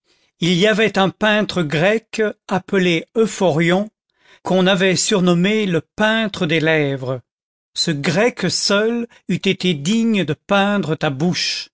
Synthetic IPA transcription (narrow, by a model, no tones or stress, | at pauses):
iliavɛt̪ɛ̃pɛ̃t̪χəɡʁɛkapəleøfɔʁjɔ̃ | kʰɔ̃navɛsyʁnɔmeləpɛ̃t̪χəd̪elɛvʁə | səɡʁɛksœl | yt̪et̪ed̪iɲd̪əpɛ̃d̪ʁət̪abuʃ